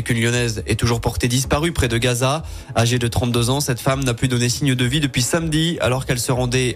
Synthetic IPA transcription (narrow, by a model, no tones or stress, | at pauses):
ekʲynljɔnɛzɛt̪uʒuʁpɔʁt̪ed̪ispaʁypχɛd̪əɡaza | aʒed̪ət̪χɑ̃t̪d̪øzɑ̃sɛt̪famnaplyd̪ɔnesiɲd̪əvid̪əpɥisamd̪ia̰lɔʁkɛlsəʁɑ̃d̪ɛ